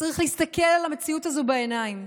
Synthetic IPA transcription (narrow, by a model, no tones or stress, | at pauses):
aʁiχlehist̪ɐke̞lalame̞t͡siutazobeenaim